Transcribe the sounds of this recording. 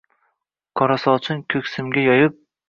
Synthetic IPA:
kʰɒɾasɒt͡ʃʰɪnkʲʰɵkʲsɪmɡʲajɒjɪp̚

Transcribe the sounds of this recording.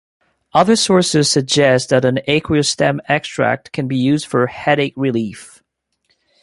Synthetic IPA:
ʌðə˞sɔɹsɨz̥sɨɡ̚d͡ʒɛst̚ðɨɾɨ̃neɪkʰwistɛ̃mɛkstɹ̥æ̰k̚tkʰɨ̃nbijʉzd̥fə˞hɛɾeɪk̚ɹɪlif

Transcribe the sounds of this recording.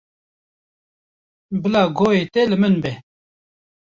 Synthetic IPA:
bɨlaːɡoːeːt̪ɛlɨmɨnbɛ

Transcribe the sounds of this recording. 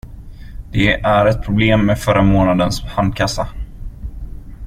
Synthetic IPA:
d̪̥ɛʔæɾɛt̪̚pʰɾʊbleːmːɛfœɾʔamoːnad̪ənshand̪̚kʰasːa

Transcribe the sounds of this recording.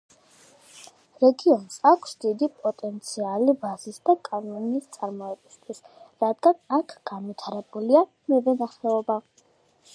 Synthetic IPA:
ɾɛɡiɔnsakʰsd̪id̪ipʼɔt̪ʼɛnt̪sʰialibazisd̪akʼanɔnist̪sʼaɾmɔɛbist̪ʼʰis | ɾad̪ɡanakʰɡ̥anvit̪ʰaɾɛbulia | mɛvɛnaχɛɔba

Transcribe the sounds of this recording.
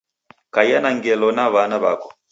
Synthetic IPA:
kajanaŋɡɛlɔnaβanaβakɔ̥

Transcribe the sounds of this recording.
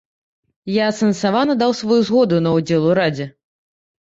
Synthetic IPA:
jat̪sɐnsavanɐd̪awsvɔjuzɣɔd̪unɐwd͡zʲɛlˠuɾad͡zʲɛ

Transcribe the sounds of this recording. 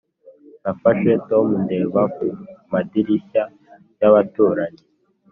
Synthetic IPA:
nafaʃwetomunde̞βakumadiɾiʃa | jaβatuːɾaɲe

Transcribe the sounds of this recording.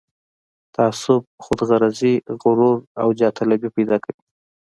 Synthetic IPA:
t̪aaːsʊb̚xʊd̪ɣaɾaziɣʊɾuɾawd͡ʒɑt̪ʰalabipajd̪ɑkawi

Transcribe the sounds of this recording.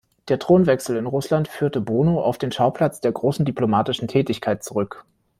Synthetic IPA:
d̥eːɐtʁ̥oːnvɛksl̩ɪnʁʊslantfyːɐtəboːnoʔa̰ʊfd̥eːnʃaʊpʰl̥at͡sd̥eːɐɡʁoːsn̩diplomaːtɪʃn̩tʰɛːtɪçkʰaɪt̚t͡suʁʏk

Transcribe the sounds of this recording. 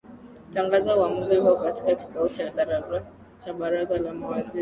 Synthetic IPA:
taŋɡazawamuzihuɔkati̥kaki̥kaut͡ʃa | t͡ʃaɓaɾazalamawaziɾi

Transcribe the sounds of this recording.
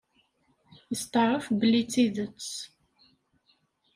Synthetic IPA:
əst̪əɾˤəfbəlit͡sːiðət͡s

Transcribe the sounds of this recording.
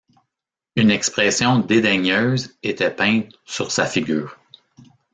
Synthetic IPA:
ynɛkspʁɛsjɔ̃d̪ed̪ɛɲøːzet̪ɛpɛ̃t̪syʁsafiɡʲyːʁ

